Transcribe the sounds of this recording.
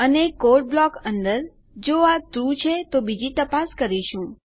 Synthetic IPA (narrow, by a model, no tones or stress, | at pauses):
ənekoɾʈ̚blɔkənd̪əɾ | d͡ʒoat̪ɾut͡ʃʰet̪obid͡ʒit̪əpaskəɾiʃũ